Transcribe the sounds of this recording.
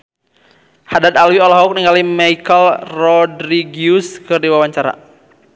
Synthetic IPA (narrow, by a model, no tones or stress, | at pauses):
hadat̪̚alwiɔlɔɦuk̚niŋɡalimaikəlrɔdɾiɡiuskɨrdiwawaɲt͡ʃaɾa̰